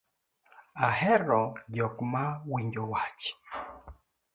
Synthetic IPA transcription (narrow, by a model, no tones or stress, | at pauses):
ahɛɾɔɟɔkmawiɲd͡ʒɔwat͡ʃ